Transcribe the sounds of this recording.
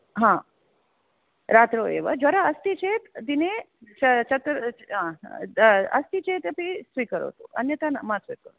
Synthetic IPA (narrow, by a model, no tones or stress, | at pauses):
ɦã | ɾat̪ɾoḛʋə̰d͡ʒaɾaəst̪it͡ʃʰet̪d̪ine | t͡ʃt͡ʃʰət̪ɾɦã | əst̪it͡ʃʰet̪pisʋikəɾo̰t̪ṵʔə̰njət̪anmãsʋikəɾo̰